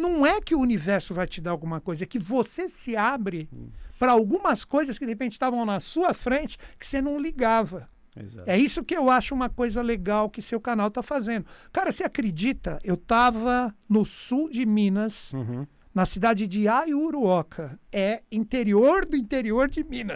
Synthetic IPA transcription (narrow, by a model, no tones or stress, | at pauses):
nɐ̃w̃ɛkɪʊunivɛɾsʊvajt͡ʃɪd̪aɾawɡũmɐkojzɐɛkɪvosesɪabɾɪpɾɐawɡũmɐskojzɐskɪd̪ehepẽnt͡ʃɪ̥st̪avɐ̃w̃nɐsuɐfɾẽnt͡ʃɪ̥kɪ̥senɐ̃w̃liɡavɐ | ḛzaɛisʊkɪewaʃʊũmɐkojzɐleɡawkɪsewkanawt̪afazẽnd̪ʊkaɾɐsɪakɾed͡ʒit̪ɐʔewt̪avɐnʊsud͡ʒɪmĩnɐs | nɐsid̪ad͡ʒɪd͡ʒɪajuɾuɔkʰɐɛĩnt̪eɾioɾd̪ʊĩnt̪eɾioɾd͡ʒɪmĩnɐs